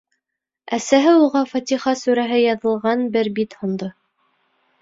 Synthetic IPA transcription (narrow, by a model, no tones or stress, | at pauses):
æsæɦɘuʁɑfɑt̪ʲiχɑsʉɾæɦɘjɑðɤ̆lˠʁɑnbɘɾbit̪hŏnd̪o